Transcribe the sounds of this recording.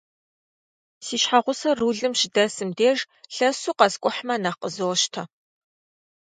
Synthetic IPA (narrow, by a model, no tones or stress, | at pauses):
siːʃħaʁʷʊsɐruːɮɨmʃɪdɐsɨmdeːʒ | ɬɐsuːqɐskʷʼʊħmɐnɐqəzowʃtʰɐ